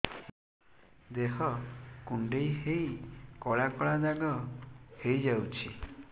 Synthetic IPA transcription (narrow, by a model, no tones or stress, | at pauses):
d̪eɦɔkuɳɖejɦejkɔɭakɔɭad̪aɡɔhejd͡ʒawt͡ʃʰi